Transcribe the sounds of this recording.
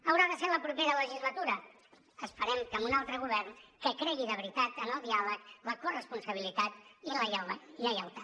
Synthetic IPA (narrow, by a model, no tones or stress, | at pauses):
əwɾaðəseɾləpɾupeɾələʒizlət̪uɾə | əspəɾɛmkəmunalˠt̪ɾəɣ̞uβ̞ɛrnkəkɾɛɣiðəβɾit̪at̪ənəlˠd̪ialəkləkurəspunsəβilit̪at̪iləjawβəiləjawt̪a